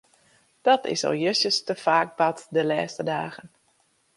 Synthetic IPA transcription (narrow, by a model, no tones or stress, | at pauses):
d̥ɔtʰɪ̰sɔ̰lˠjøsjəstəfaːk̚batdəlɛːstədaːɣən